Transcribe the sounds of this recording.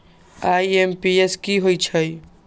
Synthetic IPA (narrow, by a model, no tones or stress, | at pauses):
aiempieskiɦoit͡ʃʰəj